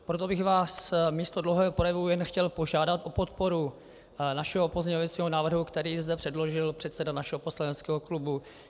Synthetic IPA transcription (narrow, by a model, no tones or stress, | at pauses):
pɾot̪o̞bɪxvaːsmiːst̪odlowɦɛːɦopɾojɛvujɛnxcɛlpo̞ʒaːdat̪ʔopot̪po̞ɾu | naʃɛɦopo̞zɲɛɲovɛt͡siːɦonaːvr̩ɦukt̪ɛɾiːzdɛpr̥ɛdlo̞ʒɪlpr̝̥ɛt̪sɛdanaʃɛɦopo̞slanɛt͡skɛːɦo̞klubu